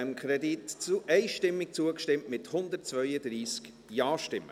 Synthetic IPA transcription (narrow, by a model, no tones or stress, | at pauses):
mkʰχɾɛd̪itʔɛɪʃtɪmːɪk̚t͡suəkʃtɪmtmɪt̪hʊnd̪ətt͡svœʏəd̪ɾiːsk | jɑːʃtɪmːə